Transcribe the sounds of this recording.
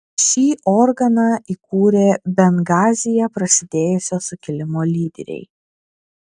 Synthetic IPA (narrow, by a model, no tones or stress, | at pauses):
ʃʲiːʔɔɾɡɐnɐikuːɾʲeːbʲɛŋɡɑːzʲɪjɛpɾɐsʲɪd̪ʲeːjʊsʲɛsʊkʲɪlʲɪmoːlʲiːd̪ʲɛ̰ɾʲɛ̰ɪ